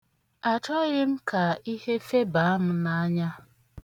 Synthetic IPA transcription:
a˨t͡ʃɔ˦ɣɪ˦m̩˦ka˨i˦he˦fe˦ba˨˦m̩˦na˦ɲa˦

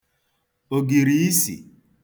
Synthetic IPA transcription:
o˨ɡi˨ɾi˨i˦sḭ˨

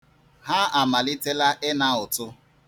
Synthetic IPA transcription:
ɦa˦a˨ma˨lɪ˦te˦la˦ʔɪ˦na˦ʊ˨tʊ˦

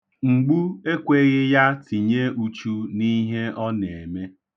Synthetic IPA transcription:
ŋ͡m̩˨ɡ͡bu˦e˦kʷe˦ɣɪ˦ja˦ti˨ɲe˦u˦t͡ʃu˦ni˦ɦe˦ɔ˦n˨e˨me˦

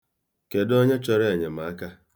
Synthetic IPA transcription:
ke˨dɔ˦ɲe˦t͡ʃɔ˦ɾe˦e˨ɲe˨ma˨a˦ka˦

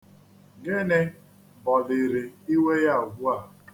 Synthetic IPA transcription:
ɡɪ˦nɪ˦ | bɔ˨lɪ˨ɾɪ˨i˦we˦ja˦˨ɡʷu˦a˦˨

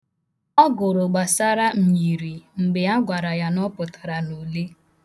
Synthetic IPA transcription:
ɔ˦ɡʊ˨ɾʊ˨ɡ͡ba˨sa˦ɾa˦m̩˨ɲi˨ɾi˨ŋ͡m̩˨ɡ͡bɪ˨a˦ɡʷa˨ɾa˨ja˦nɔ˦pʊ˨ta˨ɾa˨no˨le˦

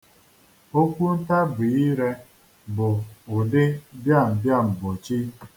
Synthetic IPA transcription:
o˦kʷu˦n̩˦ta˦bʊ˨i˦ɾe˦ | bʊ˨ʊ˨dɪ˦bja˦˨m̩˨bja˦˨m̩˨bo˨t͡ʃi˦

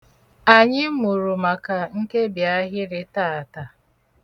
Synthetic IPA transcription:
a˨ɲɪ˦mu˨ɾu˨ma˨ka˨ŋ̩˦ke˦bja˦ɦɪ˦ɾɪ˦taː˦˨a˨ta˨

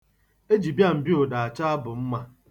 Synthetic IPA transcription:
e˦d͡ʒi˨bja˦˨m̩˨bjo˨da˨a˨t͡ʃa˦a˦bʊ˨m̩˦ma˦

